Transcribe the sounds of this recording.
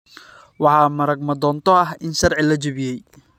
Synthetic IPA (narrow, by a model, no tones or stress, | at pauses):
wɑħɑːmɐɾɐɡ̚mɐd̪ɔːnt̪ʰɔɐɦɪnʃɐrʕɪlɐt͡ʃɐβɪjɛj